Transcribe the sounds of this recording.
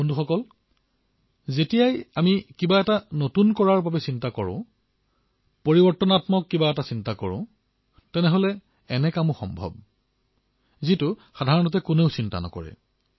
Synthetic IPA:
unduxɔkɔl | zetijajamikibaɛtanotunkɔɹaɹbabɛsintakɔɹʊ̰̃ | poɹibɔɹtɔnatmɔkːibaɛtasintakɔɹʊ̰̃ | tɛnɛɦolɛ | ɛnɛkamʊ̃xɔ̰mbʱɔ̰b̚ | zitʊxadʱaɹɔnɔtɛkʊneʊsinta̰nɔ̰kɔ̰ɹɛ̰

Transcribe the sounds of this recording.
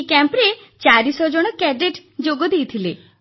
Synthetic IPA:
kɛmpɾe | t͡ʃaɾisɔd͡ʒɔɽ̃ɔkɛɖeʈd͡ʒoɡɔd̪ejt̪ʰile

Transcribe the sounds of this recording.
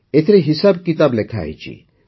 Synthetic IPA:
et̪ʰɾeɦisabkit̪ablekʰa̰jt͡ʃʰḭ

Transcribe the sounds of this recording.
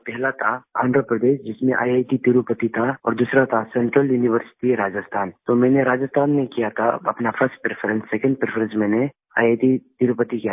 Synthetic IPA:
pɛɦlat̪ʰaa̰ːnd̪ɾəpɾəd̪eːʃd͡ʒɪsmẽʔa̰ːjaːjt̪it̪iɾupət̪it̪ʰaɔ̰ːɾd̪uːsɾat̪ʰasɛ̃ɳʈɾəljuːnɪʋəɾsɪ̥ʈiɾaːd͡ʒəst̪ʰaːnt̪omɛ̃ːneɾaːd͡ʒəst̪ʰaːnmẽkijat̪ʰa̰ɐ̰pnafʰəɾsʈ̚pɾepʰəɾə̃nsːɛkə̃ɳɖ̚pɾepʰəɾə̃nsmɛ̃ːne | a̰ːjaːjt̪it̪iɾupət̪ikija

